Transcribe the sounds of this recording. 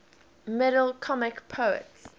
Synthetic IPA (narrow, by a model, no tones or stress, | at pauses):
mɪɾəlkʰɔmɪkpʰəə̰ts